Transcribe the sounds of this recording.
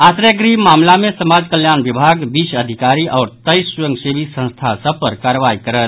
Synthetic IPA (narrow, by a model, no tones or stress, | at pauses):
asɾəɡɾimamlamesəmad͡ʒkəljanbibʱaɡbisəd̪ʱikaɾiʔɔːɾt̪əjsujəŋɡsebisə̃nst̪ʰasəb̚pəɾkaɾʋaikəɾət̪